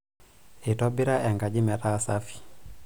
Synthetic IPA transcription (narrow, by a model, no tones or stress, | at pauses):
itɔbiɾaʔɛŋɡad͡ʒimɛtasafi̥